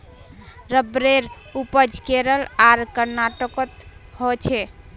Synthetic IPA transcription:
ɾəbɾeɾ | upəd͡ʒkeɾəlaɾkəɾnaʈəkət̪hot͡ʃʰɛ

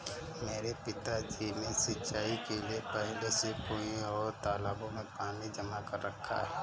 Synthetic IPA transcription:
meːɾepɪt̪ad͡ʒinesɪtːt͡ʃaːikeliepɛɦlesepõɔːɾt̪aːlaːbõmẽpaːnid͡ʒəmakəɾːəkʰːa̰ɦɛː

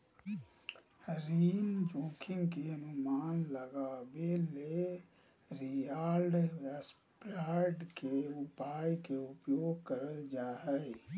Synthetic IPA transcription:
ɾiːnd͡ʒoːkʰɪ̃ŋɡkeənʊmaːnləɡaːbele | ɾijaːlɖʋes | pɾaːɖkeʊpaːjkeʊpjoːɡ̚kəɾəld͡ʒaːɦɛ

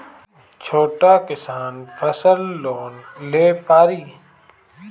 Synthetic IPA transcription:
t͡ʃʰoːʈaːkɪsaːnfʰəsəlːoːnleːpaːɾiː

